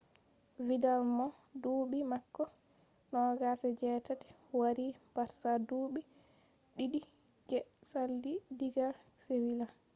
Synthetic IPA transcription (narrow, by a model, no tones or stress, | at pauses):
vidalmɔ | duɓimakːɔ | nɔɡasɛd͡ʒɛtatɛ̥ | waɾibaɾsaduːɓi | ɗiɗi | d͡ʒɛsalːidiɡasewila